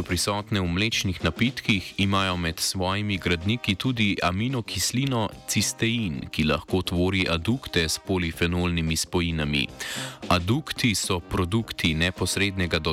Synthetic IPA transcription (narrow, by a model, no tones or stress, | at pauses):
ɔpɾisɔːt̪nɛwmleːt͡ʃnixnapit̪kiximaːjɔmɛt̪sʋɔːjimiɡɾad̪nikit̪uːd̪iʔaminɔkʰisliːnɔt̪sist̪ɛinkila̰xkoːt̪ʋoːɾiʔad̪ukt̪ɛspolifɛnolnimispɔjinamḭad̪ukt̪isɔpɾɔd̪ukt̪inɛpɔsɾeːd̪nɛɡad̪ɔ